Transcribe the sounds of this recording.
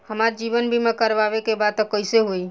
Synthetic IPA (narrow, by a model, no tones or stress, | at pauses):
həmaɾd͡ʒiβənbʱimekəɾʋaβekebad̪̚t̪ɔkəɪseɦoi